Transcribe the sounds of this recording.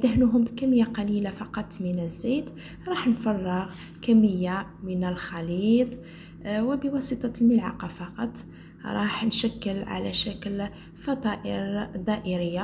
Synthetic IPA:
d̪əhnuɦʊmbkæmːəjːaqɑlilafɑqɑt̪ˤːmənəzːit̪ | ɾˤɑħnfɑrˤːəɣ | kæmːəjːamənəlxɑlit̪ˤ | wəbəwɑsit̪ˤɑlməlʕɑqɑfɑqɑt̪ˤː | ɾˤɑħnʃækːəlʕa̰læ̰ʃækl | fɑt̪ˤɑʔəɾd̪ˤɑʔəɾəjːa

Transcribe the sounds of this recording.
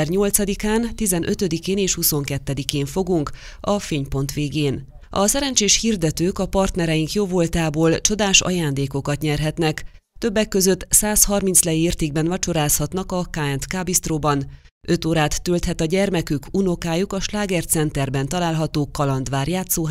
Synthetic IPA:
rɲo̞lt̪sɒd̪ikaːnt̪izɛnʔø̞t̪ø̞d̪ikeːneːʃhuso̞ŋkɛt̪ːɛd̪ikeːɱfo̞ɡuŋk | ɒfeːɲpo̞nt̪ʋeːɡeːn | ɒ̰sɛɾɛnt͡ʃeːʃhiːrd̪ɛt̪øːkɒpɒrt̪nɛɾɛjiŋkjoːvo̞lt̪aːboːlt͡ʃo̞d̪aːʃɒ̰jaːnd̪eːko̞kɒt̪ɲɛrɦɛt̪nɛk | t̪ø̞bːɛkːø̞zø̞t̪ːsaːshɒrminslɛjieːrt̪eːɡ̚bɛnvɒt͡ʃo̞ɾaːshɒt̪nɒkɒkaːɛnt̪kaːbist̪roːbɒn | ʔø̞t̪oːɾaːt̪ːølt̪hɛt̪ɒɟɛrmɛkykuno̞kaːjukɒʃlaːɡɛrt̪sɛnt̪ɛrbɛnt̪ɒlaːlɦɒt̪oːkɒlɒnd̪ʋaːrjaːt̪soː

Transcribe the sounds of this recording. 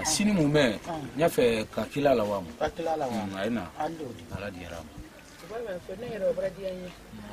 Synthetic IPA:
sinĩmũmɛɲafɛkakilalawamã̰kakilalawajena̰doaladĩja̰ɾa̰mã | ubamɛfonejɛɾɛabaɾadiãje

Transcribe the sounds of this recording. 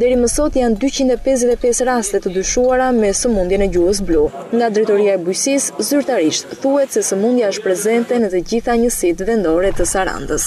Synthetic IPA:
d̪ɛɾiməsɔt̪jand̪yt͡ɕind̪ɛpɛz̬zɛt̪ɛpɛsɾast̪ɛt̪əd̪yʃuaɾamɛsəmund̪jɛnɛɟuhəs̬blɔ | ŋɡad̪ɾɛt̪ɔɾiaɛbujsiszyɾt̪aɾiʃt̪θuhɛt̪sɛsəmund̪jaəʃt̪̚pɾɛzɛnt̪ɛnət̪əd͡ʑiθaɲəsit̪vɛnd̪ɔɾɛt̪əsaɾa̰nd̪əs

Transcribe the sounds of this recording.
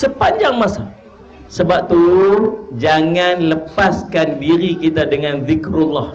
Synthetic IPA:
səpaɲd͡ʒaŋmasa | səbap̚t̪uud͡ʒaŋanləpaskandiɾikit̪adəŋanðɪkɾulːah

